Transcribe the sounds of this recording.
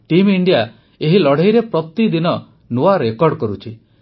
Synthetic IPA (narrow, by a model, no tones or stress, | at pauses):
ʈimiɳɖija | eɦilɔɽ̤ejɾepɾɔt̪id̪inɔ | noaɾekɔɾɖkɔɾut͡ʃʰi